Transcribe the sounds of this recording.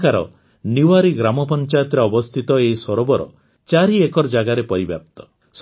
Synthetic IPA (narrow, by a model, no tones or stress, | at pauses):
kaɾɔ̰ | niwaɾiɡɾamɔpɔnt͡ʃajɔt̪ɾeɔbɔst̪ʰit̪ɔeisɔɾɔbɔɾɔ̰ | t͡ʃaɾiekɔɾd͡ʒaɡaɾepɔɾibja̰p̚t̪ɔ̥ | s